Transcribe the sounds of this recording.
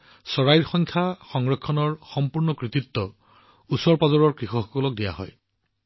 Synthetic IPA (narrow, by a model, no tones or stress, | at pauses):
sɔɹajɹxɔŋkʰaxɔŋɹɔkʰːɔnɔɹxɔmpuɹnɔkɹit̪itːɔ | usɔɹpazɔɹɔɹkɹixɔxɔkɔlɔk̚dija̰ɦɔ̰j